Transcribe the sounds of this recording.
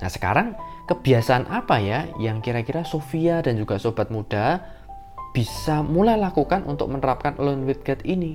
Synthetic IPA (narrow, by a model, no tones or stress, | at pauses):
nasə̥ka̰ɾaŋkəb̥i̤asaanʔapajajaŋkiɾakiɾasofiadand͡ʒuɡ̥asob̥a̤t̪̚mud̥a | b̥isamulajlakukanʔṵnt̪ʊ̰k̚mənəɾap̚kanlʊnwɪt̪̚ɡ̥at̪ini